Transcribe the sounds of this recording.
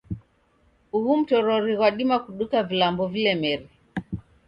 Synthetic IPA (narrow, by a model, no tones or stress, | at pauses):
uhum̩tɔɾɔɾiɣwaɗimakuɗukavilambɔvilɛmɛɾi